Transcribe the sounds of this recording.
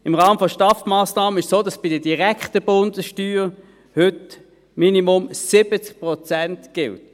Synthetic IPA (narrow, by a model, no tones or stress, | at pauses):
ɪmʁaːməfɔʃtɑfmaːsnaːmənɪʃsoːdɑsb̥ɪdəd̥iʁɛkχtəb̥ʊndəsʃtyːʁ | hʏt | minimʊmsɪbət͡sk̚pʁɔt͡sæntɡ̥ɪlt